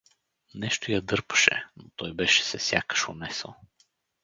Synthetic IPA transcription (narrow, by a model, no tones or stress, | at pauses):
nɛʃt̪ojɐd̪ɤɾpə̥ʃɛ̰not̪ɔjbɛʃɛ̥sɛsʲja̰kə̥ʃonɛsə̰lˠ